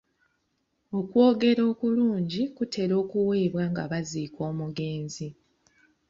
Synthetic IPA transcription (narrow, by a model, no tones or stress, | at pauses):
o̞kwo̞ːɡe̞ɾo̞ːkuluːɲɟikute̞ɾo̞ːkuweːβwaŋɡaβaziːkwo̞ːmuɡe̞ːnzi